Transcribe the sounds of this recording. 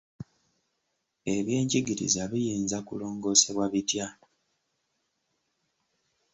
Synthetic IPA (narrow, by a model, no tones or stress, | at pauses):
e̞βje̞ːɲɟiɡiɾḭzaβijeːnzakulo̞ːŋɡo̞ːse̞βwaβitjaːno